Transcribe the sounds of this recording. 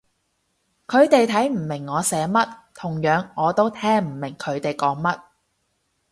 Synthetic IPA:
kʰɵ˨˧ɥt̪e˨jt̪ʰɐ˨˥jm̩˨˩mɪ˨˩ŋːɔː˨˧sɛː˨˥mɐ˥t̚t̪ʰʊ˨˩ŋjœː˨˧˥ŋɔː˨˧t̪o˥wt̪ʰɛː˥ŋm̩˨˩mɪ˨˩ŋkʰɵ˨˧ɥt̪e˨jkɔː˨˥ŋmɐ˥t̚

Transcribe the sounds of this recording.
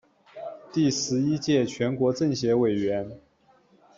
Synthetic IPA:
t̪i˥˩ʂɻ̩˧˥i˥t͡ɕjɛ˥˩t͡ɕʰɥɛ˧˥nkwɔ˧˥ʈ͡ʂɤ˥˩ŋɕjɛ˧˥we˨˩ɪɥɛ˧˥n

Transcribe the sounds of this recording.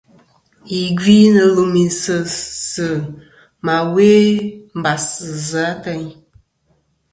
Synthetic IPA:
i˨ɡi˦nə˧lu˨mi˨nsɨ˦sɨ˨ | ma˨weː˦m̩˦ba˨sɨ˨za˨˦tə˦ɲ

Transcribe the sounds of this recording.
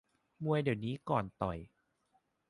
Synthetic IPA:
mu˧əjdi˨˩əwniː˦˥kɔː˨˩nt̪ɔ˨˩j

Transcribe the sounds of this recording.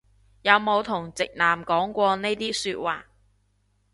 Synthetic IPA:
jɐ˨˧wmo˨˧wt̪ʰʊ˨˩ŋt͡sɪ˨k̚naː˨˩mkɔː˨˥ŋkʷɔː˧ne˥t̪iː˥syː˧t̚waː˨

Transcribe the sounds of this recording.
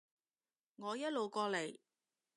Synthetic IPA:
ŋɔː˨˧jɐ˥t̚lo˨˩wkɔː˧le˨˩j

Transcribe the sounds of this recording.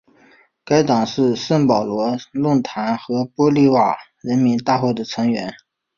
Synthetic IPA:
ka˥ɪt̪ɑ˨˩ŋʂɻ̩˥˧ʂə˥˩ŋpɑ˨˩ʊlwɔ˧˥lwʊ˥˩ŋt̪ʰa˧˥nxɤ˧˥pwɔ˥li˥˩wa˥˨˩ | ɻə˧˥nmi˧˥nt̪a˥˧xwɔ˥˩d̪ə˩t͡sʰɤ˧˥ŋɥɛ̰˧˥n

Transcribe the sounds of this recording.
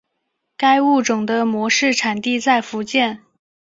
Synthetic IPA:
ka˥ɪu˥˩ʈ͡ʂʊ˨˩ŋd̪ə˦mwɔ˧˥ʂɻ̩˥˩ʈ͡ʂʰa˨˩nt̪i˥˧t͡sa˥˩ɪfu˧˥t͡ɕjɛ˥˩n

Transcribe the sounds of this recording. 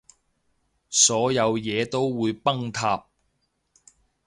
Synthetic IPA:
sɔː˨˥jɐ˨˧wjɛː˨˧t̪o˥wːuː˨˧jpɐ˥ŋt̪ʰaː˧p̚

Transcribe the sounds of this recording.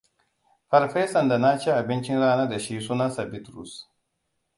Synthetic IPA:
ɸɐ˦ɾɸe˦sɐ˨nda˨na˦t͡ʃi˦ʔa˨bɪ˦nt͡ʃɪ˦nɽaː˦na˦da˨ʃi˦suː˦nɐ˦nsa˨bɪ˦tɾṵ˨s

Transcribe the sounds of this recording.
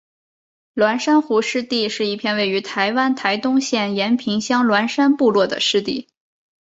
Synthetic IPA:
lwa˧˥nʂa˥nxu˧˥ʂɻ̩˥˧t̪i˥˧ʂɻ̩˥˧i˥˩pʰjɛ˥˧nwe˥˩ɪy˧˥t̪ʰa˧˥ɪwa˥nt̪ʰa˧˥ɪt̪ʊ˥ŋɕjɛ˥˩njɛ˧˥npʰi˧˥ŋɕjɑ˥ŋlwa˧˥nʂa˥npu˥˧lwɔ˥˩d̪ə̰˩ʂɻ̩˥˧t̪i˥˩

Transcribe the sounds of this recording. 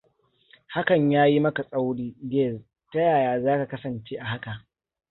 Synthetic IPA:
ha˦kɐ˨ɲjaː˦ji˦mɐ˦ka˨sʼa˦wɽiː˦ɡɛː˦˨z | ta˦jaː˨jaː˨zaː˦ka˨kɐ˦sɐ˨nt͡ʃeː˦ʔa˨ha˦ka˨ʔ

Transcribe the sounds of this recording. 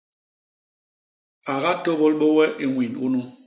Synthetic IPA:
a˨ɣa˦to˦ɣo˦lɓo˦wɛ˦ʔi˨ŋwi˨nṵ˦nu˦

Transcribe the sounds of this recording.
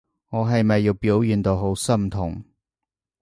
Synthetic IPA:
ŋɔː˨˧ɦɐ˨jmɐ˨jːiː˧wpiː˨˥wjiː˨nt̪o˨˧wɦo˨˥wsɐ˥mt̪ʰʊ˨˩ŋ

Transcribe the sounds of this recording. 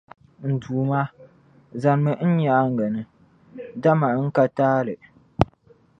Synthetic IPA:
n̩˨duː˨ma˦ | za˨n˦mɨ˨n̩˦ɲa˨˦ŋ˦ɡa˨nɨ˦ | da˦ma˨˦ŋ̩˦ka˦taː˦lɨ˨

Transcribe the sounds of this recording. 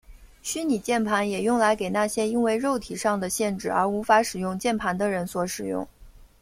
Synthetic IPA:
ɕy˥ni˨˩t͡ɕjɛ˥˩npʰa˧˥njɛ˨˩jʊ˥˩ŋla˧˥ɪke˨˩ɪna˥˩ɕjɛ˥i˥nwe˥˧ɪɻo˥˩ʊt̪ʰi˨˩ʂɑ˥˩ŋd̪ə˩ɕjɛ˥˧nʈ͡ʂɻ̩˥˩ə̰˞˧˥u˧˥fa˧˥ʂɻ̩˨˩jʊ˥˧ŋt͡ɕjɛ˥˩npʰa˧˥nd̪ə˧ɻə˧˥nswɔ˧˥ʂɻ̩˨˩jʊ̰˥˩ŋ

